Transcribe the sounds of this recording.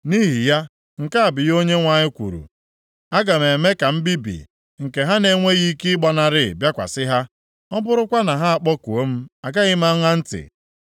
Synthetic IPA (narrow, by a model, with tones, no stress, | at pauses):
ni˦ɦi˨ja˦ | ŋ̩˨ka˦a˨bɪ˨jo˦ɲe˦ŋʷa˨ɲɪ˦kʷṵ˨ɾṵ˨ | a˦ɡa˨me˨me˦ka˨m̩˦bi˦bḭ˨ | ŋ̩˨ke˨ɦa˦ne˨˦ŋʷe˦ɣi˦ki˦ɪ˦ɡ͡bɔ˨na˨ɾɪ˦˨bja˦kʷa̰˨sɪ˦ɦa˦ | ɔ˦bʊ˦ɾʊ˦kʷa˦na˨ɦa˦a˨k͡pɔ˦ku˨o˦m̩˦a˨ɡa˦ɣɪ˦ma˦ŋʷa˦n̩˦tɪ̰˨